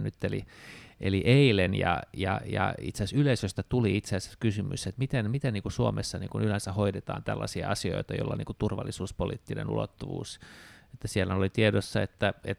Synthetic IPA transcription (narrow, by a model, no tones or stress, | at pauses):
nyt̪ːelḭʔeliʔeilenjɑ̰jɑ̰jɑ̰ḭt̪seæsyleisøst̪ɑt̪uliit̪seæsæ̥kysymyset̪mit̪enmit̪enniːŋkusuomesːɑnḭːŋkunylænsæhoidet̪ɑ̰ːnt̪ælːɑsiɑɑsio̰it̪ɑjo̰lːɑ̰niːkut̪urʋɑ̰lːisuːspolḭːt̪ːinḛnṵlo̰t̪ːuʋṵːset̪ːæsielːænolit̪iedosːɑet̪ːæet̪